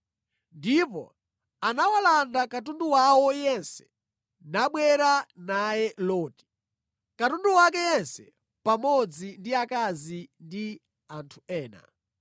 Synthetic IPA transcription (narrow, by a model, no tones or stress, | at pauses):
ndipɔ̰ | anawalandakat̬unduwawɔjɛnsɛ̥ | naɓwɛɾanajɛlɔːti̥ | katunduwak̬ɛjɛnsɛ | pamɔd͡zindiakazindi | antʰuɛːna̰